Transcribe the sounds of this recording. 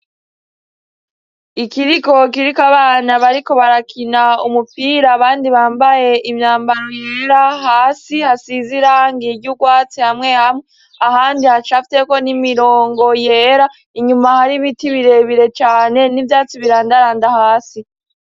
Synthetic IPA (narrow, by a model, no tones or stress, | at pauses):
ikiɾiko̞k̬iɾikaβaːnaβaɾiko̞βaɾakʰinaumupiɾaːβaːndiβaːmbaje̞imɲaːmbaɾo̞jeɾahaːsihasiziɾaŋɡiɟuɡwaːt͡sihamŋe̞hamŋe | ahaːndihat͡ʃafiteko̞nimiɾo̞ːŋɡo̞jeːɾa | iɲumahaɾimitiβiɾe̞βiɾe̞t͡ʃaːne̞nivjaːt͡siβiɾaːndaɾaːndahaːsi